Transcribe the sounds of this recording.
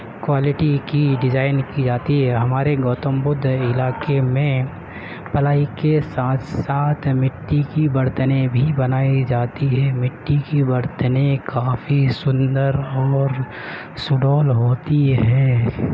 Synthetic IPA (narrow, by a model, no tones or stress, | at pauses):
kwaːlɪʈikiɖɪd͡ʒaːɪnkid͡ʒaːt̪iɦɛɦɐmaːɾeɡɔːt̪ə̃mbʊd̪ʱɪlaːkemẽ | pɐlaːikesaːt̪ʰsaːt̪ʰmɪʈːikibɐɾt̪ənebʱibɐnaːid͡ʒaːt̪iɦɛmɪʈːikibɐɾt̪ənekaːfisʊ̃nd̪əɾɔːɾ | sʊɖoːlɦoːt̪iɦɛː